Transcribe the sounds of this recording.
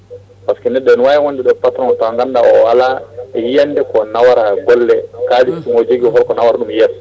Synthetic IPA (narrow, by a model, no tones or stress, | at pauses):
paskɛnɛɗɛnwajɛwondɛɗɔpatɾɔntaŋɡandaɔ̰walaɛjijandɛkɔnawaɾaɡɔlːɛkad͡ʒitːimod͡ʒoɡiɦɔlkɔnawaɾaɗumjɛs